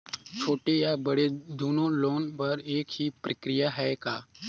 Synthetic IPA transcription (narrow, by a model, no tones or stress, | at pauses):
t͡ʃʰoːʈejaːbəɽed̪oːnõloːnpəɾeːkhiːpɾəkɾɪjaɦɛːkaː